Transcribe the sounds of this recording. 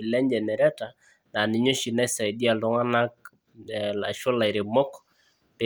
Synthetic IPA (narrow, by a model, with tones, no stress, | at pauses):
ɪ˨lɛ˦nd͡ʒɛ˨nɛ˨ɾɛ˦ta˨ | na˨nɪ˨ɲo˦ʃi˨na˦sa˨i˨di˦a˨lɔ˨˦ŋa˦na˦k̚ | la˨ʃo˦la˨ɪ˨ɾɪ˨mɔ˦k | pe˦